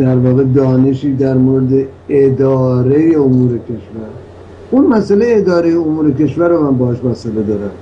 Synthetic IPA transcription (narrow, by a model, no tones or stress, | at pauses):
d̪æɾvɒːɣe̞d̪ɒːneʃiːd̪æɾmoɾed̪e̞ | ed̪ɒːɾe̞jeomuːɾe̞kʲʰe̞ʃvæɾ | unmæsælejeːd̪ɒːɾejeomuːɾe̞ke̞ʃvæɾomæmbɒːheʃmæsele̞d̪ɒːɾæm